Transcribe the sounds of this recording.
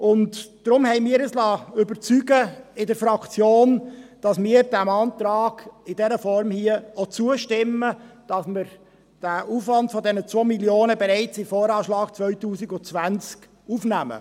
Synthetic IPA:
ʊntd̥ɾʊmhɛɪmiːɾəslɑːʏbəɾt͡syɡəɪdəɾfɾɑkt͡sjoːnd̥ɑsmiːəɾdæmɑːntɾɑːɡ̥ɪdɛɾəfɔɾmhiəot͡suəʃtɪmːəd̥ɑsməɾ | d̥æʔuːfvɑntfɔdɛnət͡svoːmiljoːnəbɛɾaɪt͡sɪfoːɾɑːʃlɑːɡ̥t͡svœʏtuːsiɡʊt͡sʋænt͡sk | ufnæmə̰

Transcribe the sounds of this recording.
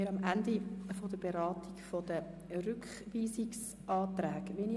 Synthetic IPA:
ɪɾɑmʔændifodəb̥eɾɑːtikfod̥̪ə | rʏkχʋiːsiks | ʔɑːt̪ɾæːɡʋini

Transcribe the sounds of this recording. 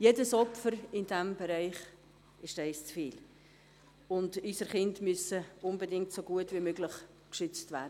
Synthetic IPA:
jedəsɔpfəɾɪndɛmbɛɾaɪχ | ɪʃtɛɪst͡sfiːl | ʊndysəɾχɪndmysəʊnbədɪŋ̚tsoɡ̥uətvimøːɡləχ | kʃʏt͡stvæːɾdə

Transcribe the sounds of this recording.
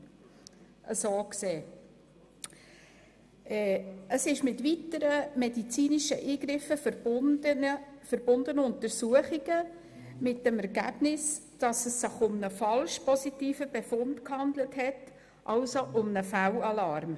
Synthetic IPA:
ʔəsoːkseː | ɛːəsɪʃmɪtʋitəɾəmɛdit͡siːniʃəʔiːɡɾɪfəfəɾbəfəɾb̥ʊndənəʊntəɾsuəχiɡ̥ə | mɪt̚d̥ɛmɛɾɡæb̥nɪsd̥ɑsəsːɪχʊmnəfɑlʃpɔsitiːfəb̥efʊntkhɑnd̪ləthɛt | ʔɑlsoʔʊmnəfælɑlɑɾm

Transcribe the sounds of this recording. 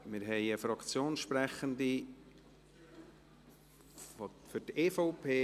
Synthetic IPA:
mɪɾɦɛɪəfɾɑkt͡sjoːnʃpɾɛχənd̪i | fʏɾteːfoʊpʰeː

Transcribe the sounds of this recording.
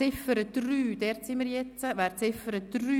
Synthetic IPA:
ɪfəɾəd̥ryːd̥ɛɾt̪sɪməɾjɛt͡st͡səʋɛːɾt͡sɪfəɾəd̥ryː

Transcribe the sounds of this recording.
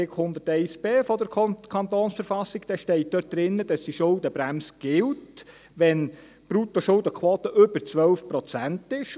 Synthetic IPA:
ɪkhʊnd̪əɾtɛɪsb̥eːfɔd̪əɾkʰɑnt̪oːnsfəɾfɑsːiɡ̥d̥̪ɛʃtɛɪt̚d̥̪œt̚d̥ɾɪnːəd̥̪ɑsd̥̪iʃʊld̪əbɾæmsəɡ̥ɪlt | ʋɛn | b̥ɾut̪oʃʊld̪əkʰwoːt̪əʔʏbəɾt͡sʋœlfpɾɔt͡sæntɪʃ

